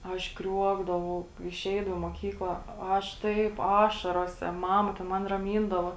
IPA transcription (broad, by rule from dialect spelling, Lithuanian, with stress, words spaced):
ˈɐʃ ˈkrʲuɔɡdɐʋɐʊ ɪˈʃʲɛɪdɐʋɐ ɪ muɔˈkʲiːklˠɐ oː ˈɐʃ ˈtɐɪp ˈɑːʃɐroːsʲɛ ˈmɑːmɐ tʲɛn ˈmɐn rɐˈmʲiːndɐʋoː